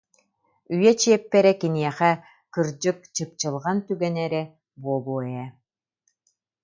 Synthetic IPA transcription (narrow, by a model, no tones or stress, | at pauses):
yjɛt͡ɕiɛpːɛɾɛkiniɛχɛ | kɯɾd͡ʑɯk̚t͡ɕɯp̚t͡ɕɯlˠʁant̪yɡɛnɛɾɛ | buɔbuːɛjɛ